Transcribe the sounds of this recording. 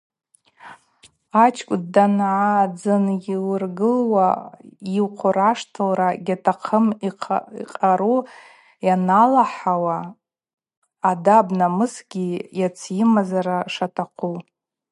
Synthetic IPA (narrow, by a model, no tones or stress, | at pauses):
at͡ʃʰkʷʼdanʕad͡zɨnilɨrɡɨlwaiqʷʰʊɾaʂtʰɨlraɡʲatʰaqʰəmiqʼaɾu | janalaħawa | dabnamɨsɡʲijat͡sʰjimazaɾaʂatʰaqʰu